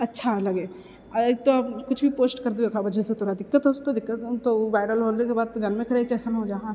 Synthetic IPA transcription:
ɐtːʃʰalɐɡeː | et̪oaːpkʊt͡ʃʰbʱipoːsʈkɐɾd̪eokʰabɐd͡ʒəset̪ʰoːɾad̪ɪkːət̪ɦost̪od̪ɪkːət̪t̪oʋaːɪɾəlɦoːekebaːd̪̚ɡʱɐnmẽkʰɐɾaːikɛːsənɦod͡ʒaːɦã

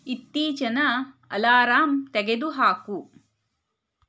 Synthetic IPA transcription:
it̪ːiːt͡ʃɐnɐ | ɐ̰laːɾaːmt̪ɛɡed̪uɦaːku

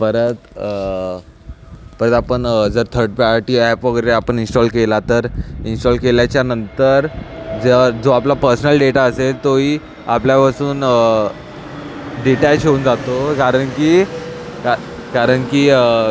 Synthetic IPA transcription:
pəɾət̪ | pəɾə̃t̪apəɳd͡zəɾt̪ʰəɾɖ̚paʈiːɛpʋəɡəɾeapəɳinsʈɔlkelat̪əɾinsʈɔlkeljat͡ɕjanənt̪əɾd͡zəd͡zoaplapəɾsnəlɖeʈaəselt̪oiː | apljapasuːn | ɖiʈɛlɕeuːnd͡zat̪okaɾəɳkiːka | kaɾəɳkiːə

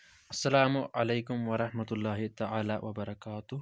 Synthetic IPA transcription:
ʔɐsːɐlaːmʊʔalejkʊmwɐɾˤɑħmɐt̪ʊlːaːɦɪt̪aʕaːlaːwʔɐbɐɾˤɑkaːt̪ʊ

